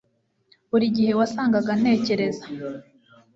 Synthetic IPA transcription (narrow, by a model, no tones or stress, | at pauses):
uɾiɟihe̞wasaːŋɡaɡane̞ːce̞ɾe̞za